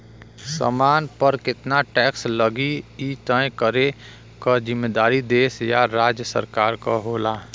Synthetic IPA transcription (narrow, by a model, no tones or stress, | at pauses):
sə̰maːnpəɾkɪt̪naʈɛːksləɡiit̪əẽkəɾe | kəd͡ʒɪmːeːd̪aːɾid̪eːsjaɾaːd͡ʒjəsə̰ɾkaːɾkaɦoːlaː